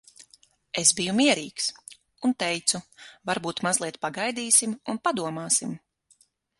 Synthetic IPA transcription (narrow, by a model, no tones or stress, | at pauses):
esbijumiɛɾiːks | unt̪ɛjt̪suvaɾbuːt̪mazlˠiɛt̪paɡajd̪iːsimunpad̪uɔmaːsim